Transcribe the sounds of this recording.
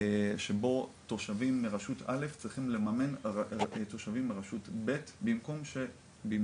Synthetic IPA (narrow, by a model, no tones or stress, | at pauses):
ʃebo̞to̞ʃavimːeʁaʃuta̰le̞ft͡sʁiχimle̞mame̞n | to̞ʃavimːeʁaʃutbe̞tbimko̞mʃe | bim